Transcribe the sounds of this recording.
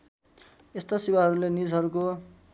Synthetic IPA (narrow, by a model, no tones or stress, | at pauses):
est̪asiwaɦʌɾulenid͡zʱɦʌɾuko